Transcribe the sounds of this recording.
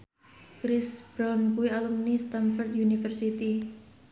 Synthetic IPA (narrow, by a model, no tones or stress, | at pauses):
kɾɪsb̥ɾankuialumnist̪anfɔrt̪junifərsit̪i